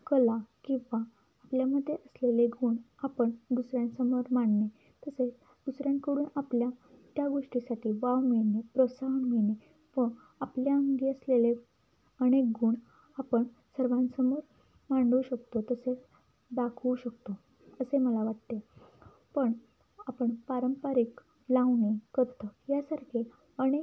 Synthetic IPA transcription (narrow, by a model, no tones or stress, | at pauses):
kəlakĩw̃ʋaː | pljaməd̪ʱːjeʔəsleleɡuːɳ | apəɳd̪usɾjãnsəmoɾmaɳne | t̪əse | d̪̥usɾjãnkəɽuːnapljat̪jaɡoʂʈisaʈʰiːʋawminepɾɔsaɦənmine | ʋə | apljaəŋɡiːəslele | əñek̚ɡuɳ | apəɳ | səɾʋãnsəmoɾ | maɳɖuɕəkt̪ot̪əse | d̪akʰuɕəkt̪o | əseməlaʋaʈt̪e | pəɳ | apəɳpaɾəmpaɾik | laʋnekəɾt̪əjasaɾkʰe | əñek